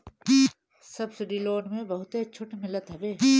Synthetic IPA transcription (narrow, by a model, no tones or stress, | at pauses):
sɐbsɪɖiloːnmẽbɐɦʊt̪eɐt͡ʃʰʊʈmɪlət̪ɦɐbeː